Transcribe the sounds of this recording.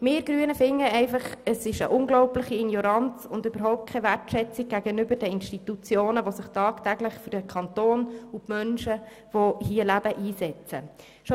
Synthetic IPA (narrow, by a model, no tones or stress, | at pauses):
mɪːɾɡ̥ɾyːənəfɪŋːəɛɪfɑχəsɪʃə̰ʔʊŋɡlɔʊplɪχiinjɔɾɑnt͡sʊnd̪øbəɾɦɔʊp̚t̚kʰɛʋærtʃɛt͡siɡ̚ɡæɡənʏbəɾdəɪnʃtit̪ut͡sjoːnəʋosɪχtɑːkt̪æɡləχfyɾdəkʰɑnt̪oːnʊpmœnʃə | ʋohiəlæb̥əʔiːsɛt͡sə̰ | ʃo